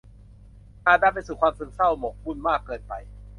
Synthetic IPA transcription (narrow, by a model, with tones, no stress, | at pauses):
kʰaː˨˧˩daː˥˩pa˧jsuː˨˩kʰwaː˧msɯ˧˦ŋsa˥˩wmɔ˨˩k̚mu˥˩nmaː˥˩kːɤː˧npa̰˧j